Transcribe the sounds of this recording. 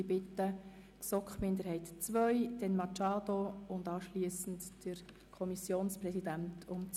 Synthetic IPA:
ibɪtːə | ksɔkχmɪndəɾhɛɪtt͡sʋœʏd̥ɛnmɑt͡ʃɑːdoʊndɑːʃliəsn̩td̥əɾ | kʰɔmisjoːnsprɛsid̥æntʰʊmt͡s

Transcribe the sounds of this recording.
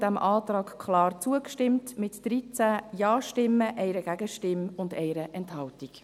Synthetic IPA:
d̥æmʔɑːt̪ɾɑːkkχlɑːrt͡suəkʃtɪmtmɪtd̥ɾit͡sæjɑːʃtɪmːəʔɛɪɾəɡ̥æɡəʃtɪmʊndɛɪɾəʔɛnthɑltik

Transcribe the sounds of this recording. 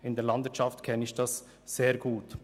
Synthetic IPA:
ɪndɛːɾlɑndvɪət͡ʃɑftkʰɛnəɪçd̥ɑsː | eːɾɡ̥uːt

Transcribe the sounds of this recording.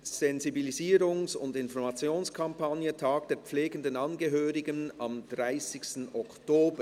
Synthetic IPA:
z̥ɛnzibiliziːɾʊŋsʊ̰ndɪnfɔɾmɑt͡sjoːnskʰɑmpanjətʰaːɡd̥eːɾp͡fleːɡəndənɑnɡəɦøːɾɪɡənɑmd̥ʁaɪsɪçstn̩ɔktoːbə

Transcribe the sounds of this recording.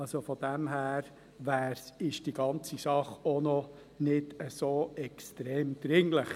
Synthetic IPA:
ɑlsofɔd̥æmɦæːɾ | ʋæːɾsɪʃd̥iɡ̥ɑnt͡sisɑχonɔ | nɪdəsoːɛkstɾeːmd̥̪ɾɪŋləχ

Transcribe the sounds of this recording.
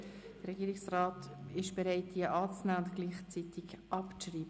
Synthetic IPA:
d̥əɾɛɡiːɾɪksrɑːtɪʃb̥eɾaɪt̚d̥iːəʔɑːt͡snæːʊntɡ̥liːχt͡sitɪkʔɑpriːbə

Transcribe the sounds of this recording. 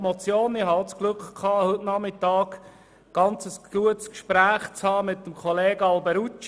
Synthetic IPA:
mot͡sjoːnɪhɑot͡sklʉkχkʰɑːhʏtnɑmɪtɑːk | ɡ̥ɑnt͡səsɡ̥uətskʃpɾæːχt͡shɑːmɪt̚ːəmkʰɔleːɡəɑlbəɾut͡ʃ

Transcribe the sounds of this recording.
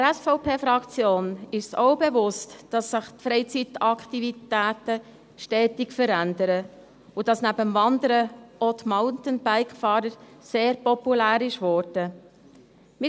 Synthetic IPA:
ɾɛsfɔʊpʰeːfɾɑkt͡sjoːnɪʃsɔʊbɛvʊstd̥ɑsːɪχtfɾɛɪt͡sit̪ɑktivitæːt̪ə | ʃtɛːtɪkfəɾænd̪əɾə | ʊd̥ɑsnæbəmvɑnd̪əɾəɔt̪maʊntənb̥æɪkfɑːɾəɾseːɾpɔpulæːɾɪʃvɔːɾd̥ə | mɪ

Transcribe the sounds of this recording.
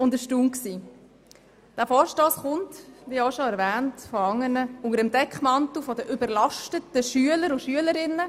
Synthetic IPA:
ʊndəʃtuːmksiː | d̥æːfɔːɾʃtoːsχʊntʋiːoʃoæɾʋæːntfɔɑŋːənəʊŋəɾəmdɛkχmɑntufɔdəʔʏbəɾlɑʃtətəʃyələɾʊʃyələɾɪnːə

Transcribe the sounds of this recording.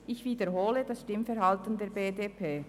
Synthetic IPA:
ʔɪçv̥iːdəʁɦoːlədɑsʃtɪmfɛʁɦɑltəndeːɾbeːdeːpʰeː

